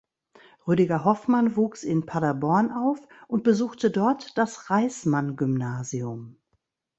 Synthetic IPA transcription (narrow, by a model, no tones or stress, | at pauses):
ʁøːɾɪɡɐɦɔfmanvuːksɪnpʰadabɔɐnʔaʊf | ʔʊnt̚b̥əzuːxtədɔɐtd̥asʁaɪsmanɡʏmnaːziʊm